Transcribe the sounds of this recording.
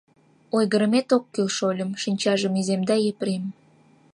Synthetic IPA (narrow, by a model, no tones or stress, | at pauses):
ojɣəɾə̆met̪okːilʃolʲə̆mʃinʲt͡ɕɑʒəmizemd̪ɑjepɾem